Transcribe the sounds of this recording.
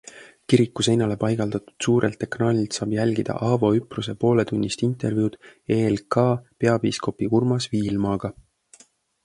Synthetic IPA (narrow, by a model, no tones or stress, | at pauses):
kiɾikːˑusejnɑle̞pɑjɡ̥ɑld̪̥ɑt̪u̥d̪̥suːɾʔe̞lt̪ːe̞knɑːlʲilt̪sɑːb̥jælʲɡ̥id̪̥ɑ̰ʔɑvo̞ypruse̞po̞ːle̞t̪unʲːist̪int̪ˑe̞rvjuːd̪̥eːlkɑpe̞ɑb̥iːsko̞pːiurmɑsviːlmɑːɡ̥ɑ